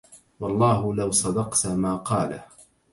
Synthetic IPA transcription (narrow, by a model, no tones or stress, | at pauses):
wɑlˤːɑːɦʊlawsˤɑd̪ɑqt̪maːqɑːla̰